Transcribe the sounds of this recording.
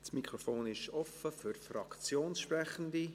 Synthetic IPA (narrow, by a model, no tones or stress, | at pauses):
smikʰɾofoːnɪʃɔfəfyrfrɑkt͡sjoːnsʃprɛχəndi